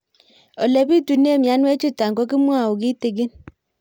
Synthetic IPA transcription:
ɔ˨le˨bi˦tu˨ne˦˨mja˨˦n˦ɛ˦t͡ʃi˦ta˨ŋkɔ˦k̬i˦m˦a˦˨ʊ˨k̬i˦te˨ɡ̬i˦n

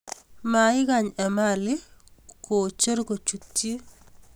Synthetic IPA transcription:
maɪ˦ɡa˨ɲɛ˨malɪ˦ko˨t͡ʃe˦ɾɡo˨t͡ʃu˨tːi˦

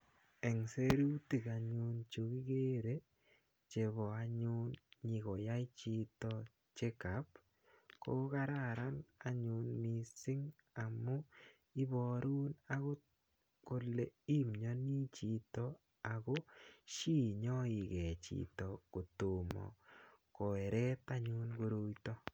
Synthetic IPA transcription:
ɛ˨ŋse˦ɾu˦ti˨ka˨ɲu˦nt͡ʃo˨ki˦ɡe˦ɾe˦ | t͡ʃe˨βɔ˨a˨ɲu˦nɲi˨ko˨ja˦i˦t͡ʃi˦tɔ˦ | t͡ʃe˦kap | ko˦ka˦ɾa˨ɾa˦na˨ɲu˨nmi˨sɪ˦ŋ | a˨mʊ˦ | i˦bɔ˨ɾu˦na˦ɣo˦ | ko˨le˨i˦mɲɔ˦ni˦t͡ʃi˨tɔ˦ | a˨ɡɔ˦ʃi˦˨ɲɔ˦i˨ɡɛ˨t͡ʃḭ˨tɔ˨ko˨tu˨mɔ̰˨kɔ˨ɛ˨ɾɛ˦t̪a˦ɲu˦nɡo˦ɾo˦jtɔ˦

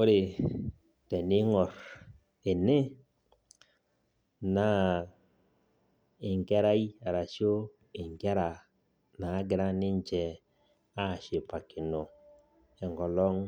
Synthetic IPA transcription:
o˦ɾe˨ | tɛ˨nɪ˦ŋɔ˨ɾ | e˨ne˦ | na˦ | ɪ˨ŋɡɛ˦ɾa˦i˦a˨ɾa˨ʃjo˦ | ɪ˨ŋɡɛ˦ɾa˨ | naː˨˦ɡɪ˦ɾa˦nɪ˦ɲt͡ʃɛ˨ | a˦˨ʃe˨pa˨kʰɪ˨nɔ˨ | ɛ˨ŋɡɔ˨lɔ˦ŋ

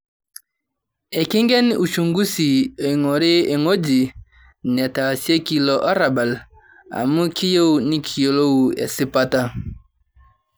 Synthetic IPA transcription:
e˨ki˦ŋɡɛ˦nu˨t͡ʃu˨ŋɡu˦si˨e˨ŋo˨ɾe˦e˨ŋo˦d͡ʒi˨ | nɛ˨ta˨sje˦ki˨lo˨ʔa˦ɾa˨ba˨l | a̰˨mu˦kʰi˦jo˦wni˦kʰi˨jo˨lo˦u˨ḛ˨si˦pa˦ta˦

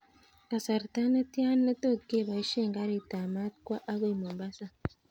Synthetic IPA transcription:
ka˨sa˨ɾta˦ne˦ti˦a˦nːe˦to˦kːe˦βa˨i˦ʃeː˦ŋɡa˦ɾe˨ta˨ma˦tkwa˦ʔa˦βo˦i˨mo˨mba˦sa˨

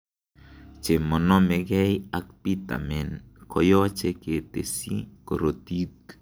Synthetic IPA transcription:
t͡ʃe˨mɔ˨nɔ˦me˨ɡɛ˦ja˨k̚pi˦ta̰˨mɛ˨nkʰɔ˨jɔ˦t͡ʃe˦ke˨tḛ˨sḭ˦ko˨ɾo˨ti˦t

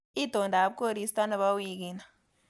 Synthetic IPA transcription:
i˦do˨nda˨˦p̚ko˦˨ɾi˦sta˦na˨βa˦wi˨k̬i˨na˨

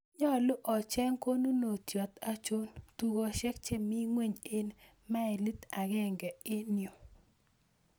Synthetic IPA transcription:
ɲɔ˦˨lʊ˦ʔɔ˨t͡ʃɛ˦ŋko˦nu˦no˨tjɔ˨t̪a˦t͡ʃo˦ntu˦ɡo˨ʃɛ˦k̚t͡ʃe˦mɪ˦ŋwe˦ɲe˦n | ma˦ɛ˨li˦t̪a˨ɡɛ˦ŋɡɛ˨ɪ˦njo˨

